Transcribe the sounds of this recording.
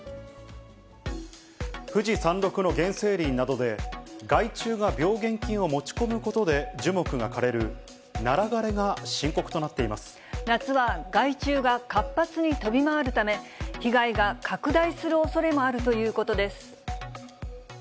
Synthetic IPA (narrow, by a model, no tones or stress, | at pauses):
ɸɯ̟ʑisãnɾo̞kɯ̟no̞ɡẽ̞ɰ̃se̞ːɾʲĩnːad̪o̞d̪e̞ɡait͡ɕɨːɡabʲo̞ːɡẽ̞ŋkʲĩɰ̃o̞mo̞t͡ɕi̥ko̞mɯ̟ko̞t̪o̞d̪e̞d͡ʑɨmo̞kɯ̟ɡakaɾe̞ɾɯ̟ | naɾaɡaɾe̞ɡaɕĩŋko̞kɯ̟̥t̪o̞nat̪ːe̞imasɨ̥ | nat͡sɨβaɡait͡ɕɨːɡakapːat͡sɨɲ̟it̪o̞bʲimaβaɾɯ̟t̪ame̞çiɡaiɡakakɯ̟d̪aisɨɾɯ̟o̞so̞ɾe̞mo̞aɾɯ̟t̪o̞jɯ̟ːko̞t̪o̞d̪e̞sɨ̥